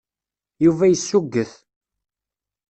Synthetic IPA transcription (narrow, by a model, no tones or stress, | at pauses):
juvæjəsːuɡːəθ